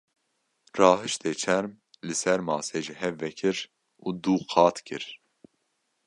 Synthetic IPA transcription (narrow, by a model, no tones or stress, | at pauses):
rɑːɦɨʃt̪ʰeːt͡ʃʰɛɾm | lɨsɛɾmɑːseːʒihɛvːɛkʰɨɾ | uːd̪uːqʰɑːt̪kʰɨɾ